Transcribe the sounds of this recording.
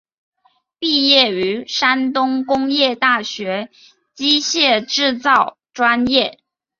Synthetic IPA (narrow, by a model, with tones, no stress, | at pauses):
pi˥˧jɛ˥˩y˧˥ʂa˥nt̪ʊ˥ŋkʊ˥ŋjɛ˥˧t̪a˥˩ɕɥɛ˧˥ | t͡ɕi˥ɕjɛ˥˧ʈ͡ʂɻ̩˥˧t͡sɑ˥˩ʊ | ʈ͡ʂwa˥njɛ˥˩